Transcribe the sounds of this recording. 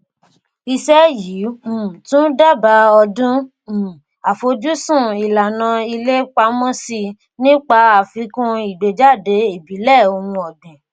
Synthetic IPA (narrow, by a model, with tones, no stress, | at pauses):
i˧ʃɛ˦jiː˨˦mũ˨tũ˦da˦˨ba˧ɔ˧dũ˦˨ | a˨fo˧d͡ʒu˦sũ˦˨i˨la˨nã˧i˧le˦k͡pa˧˦mɔ̃˦si˧ | nĩ˦k͡pa˧a˨fi˧˦kũ˧i˨de˨d͡ʒa˦˨de˨˦i˦˨bi˨˦lɛ˦˨o˧hũ˧ɔ˨dĩ˨